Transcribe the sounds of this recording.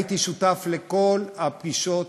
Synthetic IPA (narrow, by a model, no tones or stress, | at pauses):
it̪iʃut̪afle̞ko̞lapɡiʃo̞t